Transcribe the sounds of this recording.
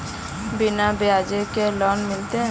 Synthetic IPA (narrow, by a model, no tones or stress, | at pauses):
bɪnabɪjaːd͡ʒekelɔːnmɪlt̪eɦɛ̃